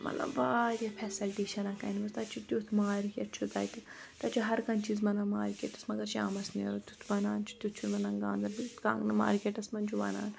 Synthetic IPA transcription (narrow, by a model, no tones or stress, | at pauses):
mɐ̰t̪lɐ̰bːaːɾʲapʰɛːsɐlʈeːʃɐnaːkanbɐst̪at͡ʃʰut̪ʲut̪ʰmaːɾkʲeʈt͡ʃʰut̪aːjt̪it̪at͡ʃʰuɦɐɾkɐnt͡ʃiːzmɐnanmaːɾkʲḛːʈɐsmɐɡɐɾt͡ʃʰiaːmɐsneɾot̪ut̪ʰbɐnaːnt͡ʃʰu̥t̪ʲut͡ʃʰumɐnanɡaːnd̪ɐlbit̪ka̰ŋɡnɨma̰ːɾkeːʈɐsmɐnt͡ʃʰubɐ̰na̰ːn